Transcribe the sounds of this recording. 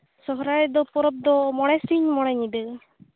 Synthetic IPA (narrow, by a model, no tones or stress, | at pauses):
sɔɦɾad̪ɔpɔɾɔb̚d̪ɔmɔɽɛsiɲmɔɽ̃ɛɲid̪ɯ